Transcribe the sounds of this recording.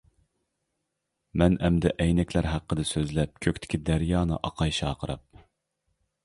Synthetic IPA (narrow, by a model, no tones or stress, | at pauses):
mɛnɛmd̪ɛʔɛjnɛkʲlæɾɦæqːəd̪ɨsøzlɛp̚kʲʰøkʲt̪ʰɪ̥kʲid̪æɾjɑːnɨ̰ʔɑqʰɑjʃɑːqʰəɾɑ̰p̚